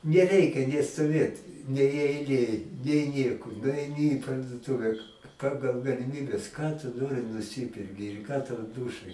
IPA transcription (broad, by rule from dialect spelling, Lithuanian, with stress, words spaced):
nʲɛˈrʲɛɪkʲɛ nʲeː stoːˈʋʲeːt nʲɛɪ ɛɪˈlʲeːj nʲɛɪ ˈnʲiɛkoː nʊɐɪˈnʲɪ iː pɐrduɔˈtʊʋʲɛ ˈpɑːɡɐlˠ ɡɐlʲɪˈmʲiːbʲɛs kɑː tʊ ˈnoːrʲɪ nʊˈsʲɪpʲɛrʲkʲɪ ɪr kɑː tɐʊ ˈduːʃɐj